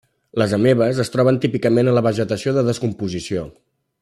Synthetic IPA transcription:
ləzəmeβ̞əzəst̪ɾɔβ̞ənt̪ipikəmenələβəʒət̪əsioðəðəskumpuzisio

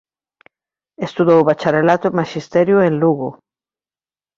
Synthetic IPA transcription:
est̪uðowβat͡ʃaɾelat̪omaʃist̪ɛɾjʊenluɣʊ

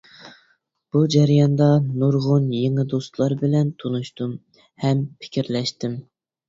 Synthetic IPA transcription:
b̥ud͡ʒæɾjɑnd̪ɑnuɾʁʊnjeŋɨd̪ost̪lˠɑɾbɪlɛnt̪ʰonuʃt̪um | hɛmpʰɪ̥kʲiɾlɛʃt̪ɪm

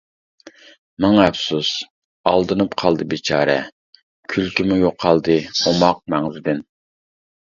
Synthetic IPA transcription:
mɑŋɑɛbsus | ɑlˠd̪ɨnɨpqʰɑlˠd̪ɨbet͡ʃʰɑːɾɛ̰ | kʲʰylkʲimujoqʰːɑlˠd̪ɨomɑq̚mɛŋzɪd̪ɪn

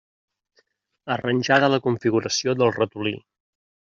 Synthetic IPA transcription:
ərənʲʒaðələkuɱfiɣuɾəsioðəlˠrət̪ulḭ

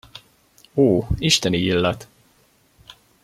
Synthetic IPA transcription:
oːiʃt̪ɛniilːɛt̪

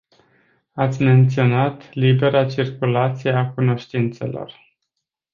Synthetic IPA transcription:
at̪sʲme̞nt̪sio̞nat̪libe̞ɾat͡ʃirkulat̪sije̞akuno̞ʃt̪int̪se̞̰lo̞̰r

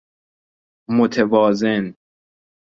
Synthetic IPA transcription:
mot̪ʰevɒːzen

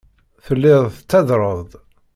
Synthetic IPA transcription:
θəlːɪðˤθət͡sːæðɾˤəðˤ

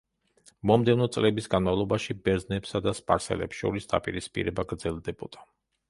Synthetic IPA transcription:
mɔmd̪ɛvnɔt̪sʼlɛbisɡanmavlˠɔbaʃibɛɾznɛpsad̪aspʼaɾsɛ̰lɛ̰psʃɔ̰ɾisd̪̥a̰pʼiɾispʼḭɾɛbaɡɾd̪zɛlˠd̪ɛbɔd̪̥a

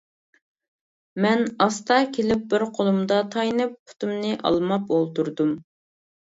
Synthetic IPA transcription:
mɛnɑst̪ɑkʲʰelɪp̚bɪɾqʰolˠumd̪ɑt̪ʰɑjnɨp̚pʰu̥t̪umnɨʔɑ̰lˠmɑpolˠt̪uɾd̪um

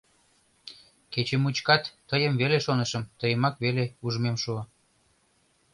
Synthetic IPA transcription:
ket͡ɕemut͡ɕkɑt̪ːəjəmβeleʃonəʃəmt̪əjəmɑkβeleuʒmemʃuə

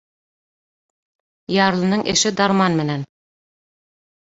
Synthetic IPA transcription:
jɑːɾlˠɤ̆nɤɴʔeʃɪd̪ɑɾmɑnmɘ̆næn

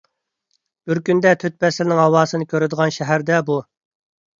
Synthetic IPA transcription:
b̥ɪɾkʲynd̪ɛt̪ʰøt̪̚pɛsɪlnɪŋɦhɑwɑːsɨnɨkʲøɾɪd̪əʁɑnʃɛɦæɾd̪ɛbu

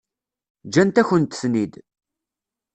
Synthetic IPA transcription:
d͡ʒænt̪æçənt̪snid̪

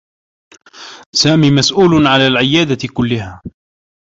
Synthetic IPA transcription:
saːmiːmasʔuːlʊnʕalaːlʕɪjːaːd̪akʊlːɪhaː

